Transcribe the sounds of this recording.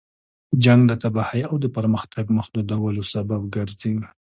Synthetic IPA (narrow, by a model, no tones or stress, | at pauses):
d͡ʒaŋɡd̪ət̪abahajawd̪əpəɾməxt̪ʰaɡməxd̪əd̪awəlosabab̚ɡəɾziɡ